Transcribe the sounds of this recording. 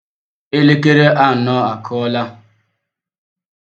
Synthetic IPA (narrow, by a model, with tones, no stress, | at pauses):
e˦le˦ke˦ɾe˦ʔa˦˨nɔ˦a˨kʰɔ˦la˦